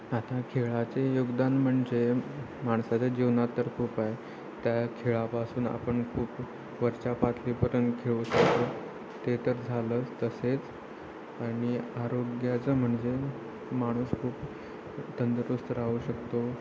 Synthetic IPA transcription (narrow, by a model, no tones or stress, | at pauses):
at̪akʰeɭat͡sejoɡd̪anm̤əɳd͡ze | maɳsat͡ɕad͡ʑiʋnat̪ːəɾkʰuːpae | t̪jakʰeɭapasuːna̰pəɳkʰuːp | ʋəɾt͡ɕapat̪ʰlipəɾənkʰeɭuːɕəkt̪o | t̪et̪əɾd͡zʱaləːst̪əset͡s | aɽ̃iaɾoɡjat͡səm̤əɳd͡ze | maɽ̃uːskʰuːp | t̪ənd̪ɾust̪əɾauɕəkt̪o